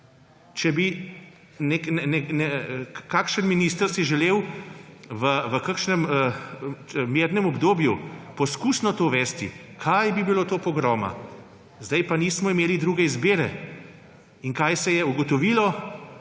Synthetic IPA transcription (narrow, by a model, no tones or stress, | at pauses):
t͡ʃɛbi | neknɛnɛnɛkakʃənminiːst̪əɾsiʒɛleːw | ʋəʋəkakʃnɛmə | meːɾnɛmɔbd̪oːbjupɔskuːsnɔt̪oːʋɛːst̪ḭkʰajbibiloːt̪oːpɔɡɾɔːma̰ | zd̪ajpaniːsmɔimeːlid̪ɾuːɡɛizbeːɾɛ | iŋkajsɛjɛuɡɔt̪ɔʋiːlɔ